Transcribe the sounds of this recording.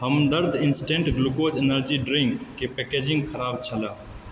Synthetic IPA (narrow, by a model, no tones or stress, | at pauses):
həmd̪əɾd̪ʱɪnsʈẽːɳʈɡlukoːd͡ʒenəɾd͡ʒiɖɾĩŋɡːepekeːd͡ʒɪ̃ŋɡkʰəɾaːbt͡ʃʰəlaː